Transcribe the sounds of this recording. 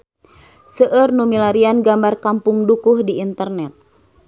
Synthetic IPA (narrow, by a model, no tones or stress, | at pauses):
səʔərnumilaɾianɡambarkampʊŋdukʊhdiːnt̪ərnɛt̪̚